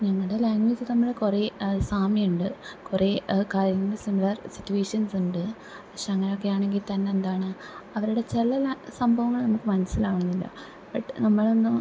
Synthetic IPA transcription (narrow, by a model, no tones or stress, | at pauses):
ɲɐŋːɐɭɨɽelaːŋɡʋed͡ʑɨnɐmːɐɭkureːsaːmiuɳɖɨkure̞ːkaːɾjɐŋesunʋɐrsitːueːʂɐnsuɳɖɨ | pɐkʂeɐŋːɐnokːe̞jaːɳe̞ŋɡilt̪ɐnːe̞ːnd̪aːɳɨ | ɐʋɐɾuɽe̞t͡ɕelɐlsɐmbʱɐʋɐŋːɐɭnɐmukːɨmɐnɐsːilaːʋɳɐnːilːɐ̰ | bɐʈːnɐmːɐɭo̞nːɨ